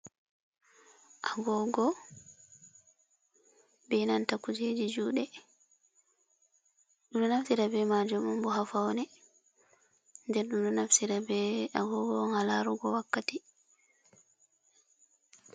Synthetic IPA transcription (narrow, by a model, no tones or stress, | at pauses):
ʔaɡɔɡɔ | bɛnantakːud͡ʒed͡ʒid͡ʒuːɗɛ | ɗuɗɔnafsiɾabɛmad͡ʒɔmumbɔɦafawnɛ | ndɛɾɗumɗɔnafsiɾabɛaɡɔɡɔŋalaɾuɡɔwakːati